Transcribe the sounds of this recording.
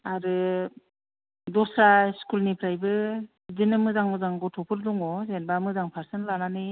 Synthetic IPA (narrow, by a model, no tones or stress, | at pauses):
aɾɯ | dɔsaskulnipʰɾajbɯ | zɯnɯmɯzaŋmɯzaŋɡɔtʰɔpʰɯɾdɔŋɔzenbamɯzaŋpʰaɾsɯnlananɯ